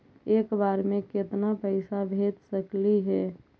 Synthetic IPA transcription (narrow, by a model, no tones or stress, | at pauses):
eːkbaːɾmẽkɪt̪napəɪsabʱet̪səkliɦɛː